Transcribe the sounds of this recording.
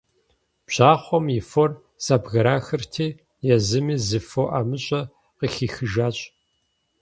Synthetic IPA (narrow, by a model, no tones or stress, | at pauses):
pɕaːχʷɔmjifɔr | saːbɣɐɾaːxɨrtʰiː | jɛzɨmiːzɨfoʔaːmɨɕʼɐ | qixiːxɨʒaːɕʼ